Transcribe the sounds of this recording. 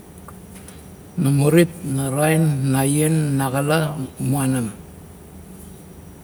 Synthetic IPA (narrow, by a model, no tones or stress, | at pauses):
namuɾit̚naɾajnːajenːaɣalamuanam